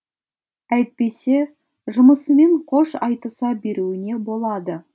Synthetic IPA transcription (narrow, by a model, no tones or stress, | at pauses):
æjt̪̚pe̞se̞ | ʒʊməsəme̞ɴqʰo̞ʃɑ̰jt̪əsɑbe̞ɾuwɪne̞bo̞lˠɑd̪ə